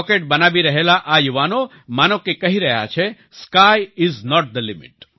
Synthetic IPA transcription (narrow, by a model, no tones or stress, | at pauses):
keʈ̚bənaʋiɾəɦelaʔajuʋano | maːnokekəɦiɾəɦja̰t͡ʃʰe | skajɪznɔʈ̚d̪əlɪmɪ̰ʈ̚